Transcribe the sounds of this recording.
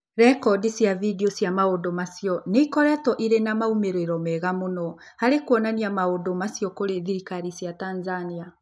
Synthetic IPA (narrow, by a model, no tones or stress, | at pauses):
ɾɛkɔdisjavidiosjamaodomasijɔneikɔɾɛtɔʔiɾenamaumeɾeɾɔmɛɣamonɔ | haɾekwɔnaniamaodomasjɔkoɾeðiɾikaɾisjatanzania